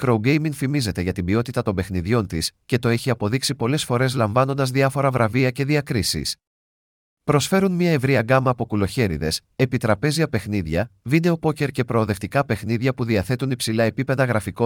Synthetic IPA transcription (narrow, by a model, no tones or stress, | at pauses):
kɾouɡe̞jmiŋfimize̞t̪e̞ʝɐt̪ibio̞t̪it̪ɐt̪o̞mbe̞xniðʝo̞nt̪isce̞t̪o̞e̞çiɐpo̞ðiksipo̞le̞sfo̞ɾe̞zlɐɱvɐno̞nd̪ɐzðiɐfo̞ɾɐvɾʔɐviɐce̞ðiɐkɾisḭs | pɾo̞sfe̞ɾunmɲɐe̞vɾiɐɡɐmɐːpo̞kulo̞çe̞ɾḭðe̞s | e̞pit̪ɾɐpe̞ziɐpe̞xniðʝɐvine̞o̞po̞ce̞ɾce̞pɾo̞ːðe̞ft̪ikɐpe̞xniðʝɐpuðiɐθe̞t̪unipsilɐe̞pipe̞ðɐɣɾɐfiko̞